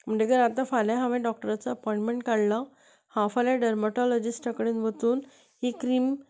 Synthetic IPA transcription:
m̤əɳd͡ʑeɡəɾat̪ãfaljaɦãʋẽɖɔk̚ʈəɾat͡saəpɔĩɳʈmeɳʈkaɽla | hãfaljaɖəɾməʈɔlɔd͡ʑisʈʈʰəkɽinʋət̪uːn | ɦekːɾiːm

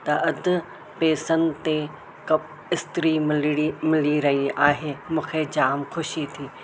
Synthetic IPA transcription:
t̪ɐʔɐd̪ʱʊ̆ | peːsənɪ̆t̪e | kɐb | ɪst̪ɪɾimɪimɪliɾɐɦiaːɦeːmũːkʰed͡ʑaːmxʊʃit̪ʰiː

